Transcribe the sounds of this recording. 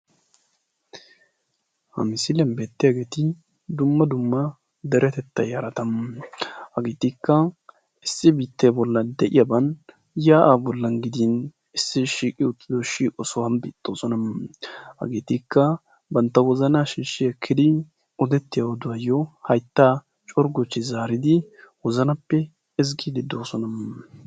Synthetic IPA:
hɐ̰mɪsɪlɛnbe̞ːt̪ːɪjaɡeːt̪ɪ | d̪ʊmːɐd̪ʊmːɐ | d̪ɛɾɛt̪ɛt̪ːɐjaɾɐt̪ɐm | hɐɡeːt̪ɪkːɐ | ɪsːɪbiːt̪ːebɔlːɐd̪ɛʔɪjabɐn | jaːʔaːbɔlːɐnɡɪd̪in | ɪsːɪʃiːkʼɪʊt̪ʼːɪd̪oʃiːkʼɔsɔwɐnbḭːt̪ʼːoːsɔnɐmhɐ̰ɡeːt̪ikːɐ | bɐnt̪ːɐwɔzɐnaʃiːʃːɪjɛkʰːɪd̪ɪ | ɔd̪ɛt̪ːɪjawɔd̪ʊwɐjːɔhɐjt̪ːaː | t͡ʃʼɔɾɡɔt͡ʃːɪzaːɾɪd̪ɪwɔzɐnɐpːɛ | ɛzɡid̪ɪd̪o̞ːsɔnɐmː

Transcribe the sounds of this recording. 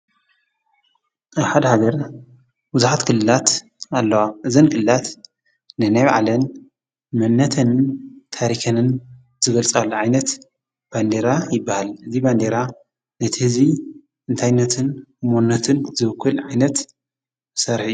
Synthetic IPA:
ʔaβħad̪ɐhaɡɐɾ | bɨzuħat̪kʰɨlːɨlat̪ | alːɐwaʔɨzɐnkʰɨlɨlat̪ | nɨnajβaʕa̰lɐn | mɐnːɐt̪ʰɐnnt̪ʰaɾikʰɐnɨn | z̥ɨɡɐlt͡sʼalːuʕajnɐt̪ | b̥and̪eɾajɪbːahalɨziband̪eɾa | nɐt̪ʰihɨzi | ʔɨnt̪ʰajnːɐt̪ʰɨnmonːɐt̪ʰɨnzɨβɨkʰːɨlʕajnɐt̪ | sɐɾħijːu

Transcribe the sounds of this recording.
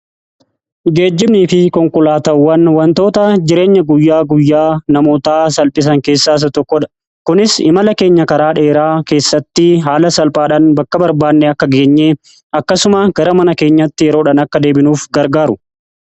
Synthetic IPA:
ɡe̞ːd͡ʒːɪbniːfɪkɔŋkʊlaːt̪ɐwːɐnwɐnt̪o̞ːt̪ɐd͡ʒɪɾe̞ːɲːɐɡʊjːaːɡʊjːaːnɐmoːt̪aːsɐlpʼɪs̬ɐŋke̞ːsːaːs̬ɐt̪ɔkːɔᶑɐ̥ | kʊnɪsɪ̰mɐlɐke̞ːɲːɐkɐɾaːᶑe̞ːɾaːke̞ːsːɐt̪ːɪɦaːlɐsɐlpʼaːᶑɐnbɐkːɐbɐɾbaːnːɛɐkːɐɡe̞ːɲːeː | ɐkːɐsʊmɐɡ̥ɐɾɐmɐnɐke̞ːɲːɐt̪ːɪjɛɾo̞ːᶑɐnɐkːɐd̪e̞ːbɪnuːfɡɐɾɡaːɾʊ

